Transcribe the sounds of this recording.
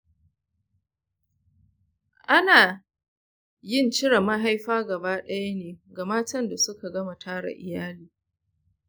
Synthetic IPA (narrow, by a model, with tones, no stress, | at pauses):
ʔa˦naː˨ | jɪ˦˨nt͡ʃɪ˦ɽa˨ma˦ɦa˦jɸaː˦ɡɐ˨baː˦ɗɐ˦ja˦neː˨ɡa˨maː˦tɐ˦nda˨sʊ˦ka˨ɡɐ˦ma˨tʰaː˦ɽa̰˨ʔɪ̰˨jaː˦liː˦